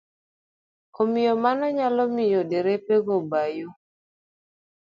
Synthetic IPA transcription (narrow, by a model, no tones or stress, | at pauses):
komɪjɔmanɔɲalɔmɪjodeɾepeɡobajo